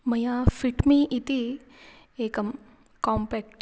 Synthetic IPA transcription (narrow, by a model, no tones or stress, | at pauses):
məjãfiʈmiʔit̪i | ekəm | kɔmpɛk̚ʈ